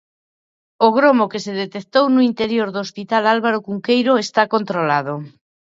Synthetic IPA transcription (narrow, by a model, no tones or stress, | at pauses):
oɣ̞ɾomokeseðet̪ek̚t̪ownuint̪eɾjoɾðoːspit̪alalβaɾokuŋkejɾoest̪akont̪ɾolaðo